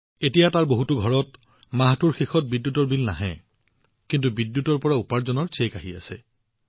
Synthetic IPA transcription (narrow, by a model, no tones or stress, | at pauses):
etijataɹboɦutʊɡʱɔɹɔt | maɦatuɹxixɔt̚bidjutɔɹbilna̰ɦɛ̰ | kintubidjutɔɹpɔɹaupaɹzɔnɔɹt͡ʃʰekaɦiasɛ̰